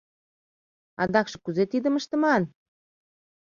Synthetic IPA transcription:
ɑ̰d̪ɑkʃɤ̥̆kuzet̪id̪ə̆məʃt̪ə̆mɑn

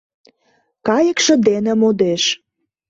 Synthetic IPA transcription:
kɑjəkʃə̆d̪enĕmod̪eʃ

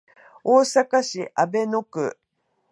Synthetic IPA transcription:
oːsakaɕiʔabe̞nokɯ̟

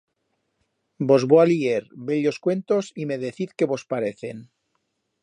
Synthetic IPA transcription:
bo̞zβoalieɾbeʎo̞skwe̞nt̪o̞sime̞ð̞eθiðke̞βo̞spaɾeθe̞̰n

